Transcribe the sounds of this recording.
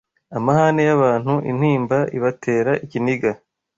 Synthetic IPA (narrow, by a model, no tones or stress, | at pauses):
amahanejaβaːn̥huʔḭn̥hiːmbaiβatʰe̞ːɾaʔiciniɡa